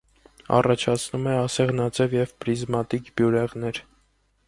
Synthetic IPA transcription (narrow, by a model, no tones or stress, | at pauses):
ɑ̰rɑt͡ʃʰɑt͡sʰnumɛɑsɛʁnɑt͡sɛvjɛvpɾizmɑt̪ikbjuɾɛʁnɛɾ